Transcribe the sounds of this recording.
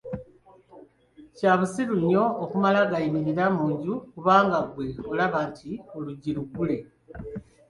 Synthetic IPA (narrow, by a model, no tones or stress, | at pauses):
caːβusiɾuɲːo̞ːkumalaɡaimiɾiɾamuːɲɟukuβaːŋɡaɡwe̞olaβaːntʰio̞luɟiɾuɡule̞